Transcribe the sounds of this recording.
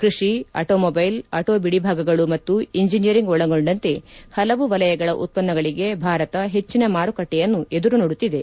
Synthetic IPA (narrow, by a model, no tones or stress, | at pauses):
kɾiʂiɐ̰ʈoːmobɐjlɐʈoːbiɽibʱaːɡɐɡɐɭumɐt̪ːuiɲd͡ʒinijɐɾiŋɡɔɭɐɡo̞ɳɖɐnt̪e̞hɐlɐʋuʋɐlɐjɐɡɐɭɐʔṵt̪̚pɐnːɐɡɐɭiɡe̞bʱaːɾɐt̪ɐɦe̞t͡ʃːinɐmaːɾukɐʈːɛjɐnːuʔe̞d̪uɾunoɽut̪ːid̪e̞